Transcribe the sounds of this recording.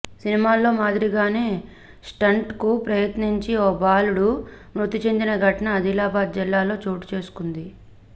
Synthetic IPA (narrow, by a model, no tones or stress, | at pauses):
sinimaːlo̞ːmaːd̪ɾiɡaːne̞ː | sʈɐɳʈkupɾɐjɐt̪niɲt͡ʃioːbaːluɽumɾut̪ːit͡ʃend̪inɐɡʱɐʈɐnɐːd̪ilaːbaːd̪̚d͡ʒilːaːlo̞ːt͡ʃoːʈu̥t͡ʃe̞ːsu̥kund̪i